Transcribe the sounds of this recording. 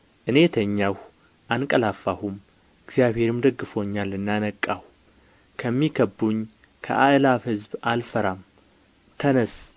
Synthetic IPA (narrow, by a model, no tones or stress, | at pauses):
ʔɨne̞t̪ʰəɲːaw | ʔankʼəlafahum | ɨɡzjaβhe̞ɾɨmd̪əɡːɨfo̞ɲːalɨnːanəkʼːah | kʰəmːikʰəbːuɲː | kʰə̰ʔaʔlaβhɨzbalfəɾam | t̪ʰənəs